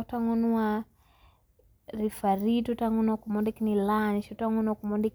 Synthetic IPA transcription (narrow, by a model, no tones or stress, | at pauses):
taŋɔnua | ɾifaɾitutaŋɔnuakumɔndikinilaniʃutaŋɔnuakumɔndik